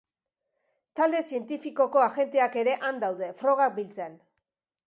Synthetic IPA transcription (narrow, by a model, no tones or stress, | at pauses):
t̪ald̪e̞sie̞nt̪ifiko̞ko̞aɣe̞nt̪e̞ake̞ɾe̞ʔand̪awðe̞fɾo̞ɣ̞ak̚bilt͡se̞n